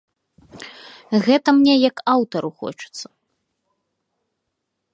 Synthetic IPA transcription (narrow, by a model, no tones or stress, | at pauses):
ɣɛt̪ɐmnʲɛjɐkawt̪ɐɾuxɔ̰t͡ʂɨ̥t̪sːɐ̥